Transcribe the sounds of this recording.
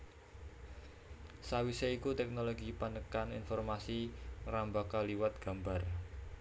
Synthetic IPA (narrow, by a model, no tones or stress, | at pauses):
sawiseikut̪ɛk̚noloɡipanəkaninfɔrmasirambakaliwat̪̚ɡ̥a̤mbar